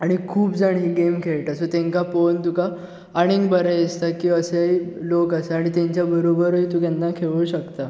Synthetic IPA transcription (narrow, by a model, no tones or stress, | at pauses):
aɽ̃ikʰuːpd͡zaɳiːɡemkʰeɭʈasot̪ẽŋkapont̪ukaː | ɽ̃iŋɡbəɾaest̪akiːəseilokəseaɽ̃it̪ẽɲt͡ɕjabəɾobəɾəit̪ũkanːakʰeʋuːɕəkt̪a